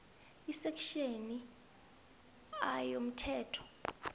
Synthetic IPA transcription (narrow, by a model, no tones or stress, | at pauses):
isɛkʰʼʃeni | ajom̩tʰɛːtʰɔ̥